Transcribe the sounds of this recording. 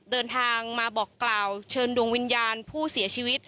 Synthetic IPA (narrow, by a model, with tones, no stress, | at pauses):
dɤː˧nt̪ʰaː˧ŋmaː˧bɔː˨˩kːlaː˨˩wt͡ɕʰɤː˧ndu˧əŋwi˧njaː˧npʰuː˥˩si˨˩˦t͡ɕʰiː˧wi˦˥t̪̚